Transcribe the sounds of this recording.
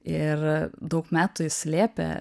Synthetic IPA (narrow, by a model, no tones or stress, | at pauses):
ɪrd̪ɐʊkmʲæːt̪ʊɪsʲlʲeːpʲɛ̰